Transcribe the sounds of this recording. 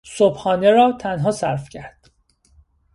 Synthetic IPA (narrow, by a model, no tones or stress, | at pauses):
sobhɒːne̞ɾɒːt̪ʰænɦɒːsæɾfcʰæɾd̪̥